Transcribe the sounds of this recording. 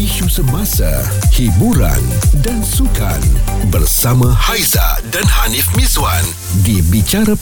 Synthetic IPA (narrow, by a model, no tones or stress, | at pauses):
iʃusəbasa̰ | hibuɾa̰ndansuka̰nbərsamãhajza̰danhanifmizwan | dibit͡ʃaɾa